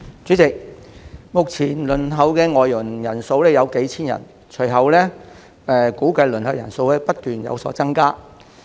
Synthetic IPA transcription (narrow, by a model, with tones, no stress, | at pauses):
t͡ʃyː˨˥t͡sɪ˨k̚mʊ˨k̚t͡sʰiː˨˩nlɵ˨˩nɦɐ˨wkɛː˧ŋɔː˨jːʊ˨˩ŋjɐ˨˩nso˧wlɛː˥jɐ˨˧wke˨˥jt͡sʰiː˥njɐ̰˨˩n | t͡ʃʰɵ˨˩ɥɦɐ˨wlɛː˥ | ɛː˨kuː˨˥kɐ˧jlɵ˨˩nhɐ˨wjɐ̰˨˩nso˧wlɛː˥pɐ˥t̚t̪yː˨njɐ̰˨˧wsɔ̰ː˨˥t͡sɐ˥ŋkaː˥